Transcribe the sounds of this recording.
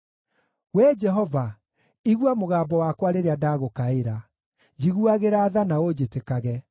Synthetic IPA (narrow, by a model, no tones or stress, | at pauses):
wɛd͡ʒɛɦɔva | iɣwamoɣaːbɔwakwaɾeɾeadaɣokaeɾa | d͡ʑiɣuaɣeɾaːðanaod͡ʑetekaɣɛ